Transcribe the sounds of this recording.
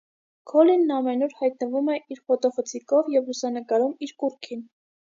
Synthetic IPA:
kʰɔlinːɑmɛnuɾhɑjt̪̚nəvumɛiɾχɔt̪ɔfət͡sʰikɔvjɛvlusɑnəkɑɾumiɾkuɾkʰin

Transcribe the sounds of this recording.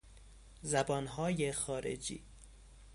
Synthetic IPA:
zæbɒːnɦɒːjexɒːɾḛd͡ʒḭː

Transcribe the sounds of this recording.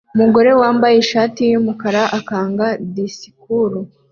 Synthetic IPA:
umuɡo̞ɾe̞waːmbajeʃaːtijumukaɾaʔakaːŋɡadisi̥kuɾu

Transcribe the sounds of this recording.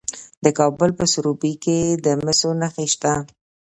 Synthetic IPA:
d̪əkɑbəlpəsʊɾubiked̪əmɪsonəxeʃt̪a

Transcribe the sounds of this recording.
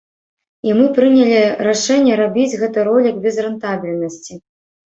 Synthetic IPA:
imɨpɾɨnʲɛlʲiɾaʂɛnʲːɛɾabʲid͡zʲɣɛt̪ɨɾɔlʲiɡ̚bʲɛzrɛnt̪abʲilʲnɐsʲt͡sʲi

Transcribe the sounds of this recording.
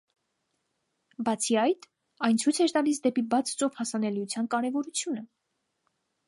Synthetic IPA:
bɑt͡sʰiɑjt̪ | ɑjnt͡sʰujt͡sʰɛɾt̪ɑlisd̪ɛpibɑt͡sʰt͡sɔvhɑsɑnɛlijut͡sʰjɑnkɑɾɛvɔɾut͡sʰjunə

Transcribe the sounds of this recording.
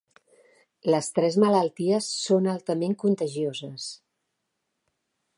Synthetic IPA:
ləst̪ɾɛzmələlˠt̪iəsːonalˠt̪əmeŋkunt̪əʒiozəs

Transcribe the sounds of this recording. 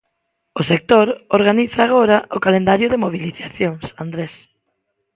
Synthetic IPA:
ʊsek̚t̪oɾoɾɣaniθaːɣ̞oɾɐʔʊkalẽnd̪aɾjʊðɪmoβiliθaθjoŋsand̪ɾes

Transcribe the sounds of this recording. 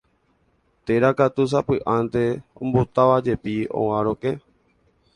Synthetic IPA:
t̪eɾakat̪us̬apɨʔãnt̪e̞õ̰mbo̞t̪aʋad͡ʒe̞piõ̰ãɾõkẽ

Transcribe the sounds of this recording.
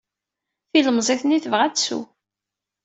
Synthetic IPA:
θiləmzˤeθniθəvʁæd̪sṵ

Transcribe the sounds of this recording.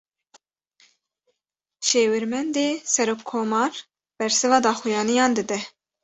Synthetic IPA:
ʃeːwɪɾmɛnd̪eːsɛɾoːkʰːoːmɑːɾ | b̥ɛɾsɨvɑːd̪ɑːxijɑːnijɑːnd̪ɨd̪ɛ

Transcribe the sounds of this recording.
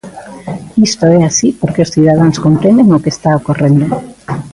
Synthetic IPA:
ist̪oɛasipoɾkeosθiðaðaŋskompɾẽnd̪eŋokest̪aokorend̪o

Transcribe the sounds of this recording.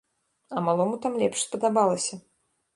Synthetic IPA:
ɐmalˠɔmut̪amlʲɛpʂspɐd̪abalˠɐsʲɐ

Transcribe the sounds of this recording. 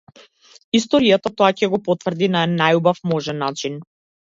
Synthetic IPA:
ist̪ɔɾijat̪at̪ɔacɛɡɔpɔt̪vrd̪inaɛnːajubafmɔʒɛnːat͡ʃin

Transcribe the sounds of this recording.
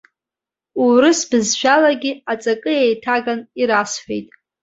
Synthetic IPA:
uɾɨsbɨzʒʷᶣalaɡʲiat͡sʼakʼɨjejtʰaɡaniɾasħʷᶣejtʼ

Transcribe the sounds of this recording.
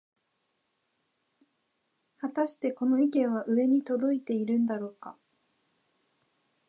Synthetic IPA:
hat̪aɕi̥t̪e̞ko̞no̞ikẽ̞ɰ̃βaʔɯ̟e̞ɲ̟it̪o̞d̪o̞it̪e̞iɾɯ̟̃nd̪aɾo̞ːka

